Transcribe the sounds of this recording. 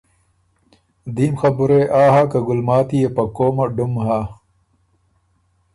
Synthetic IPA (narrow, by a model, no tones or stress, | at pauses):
d̪iːmxɐbuɾeʔaːɦakɐɡʊlmaːt̪ijepɐkoːmɐɖumɦa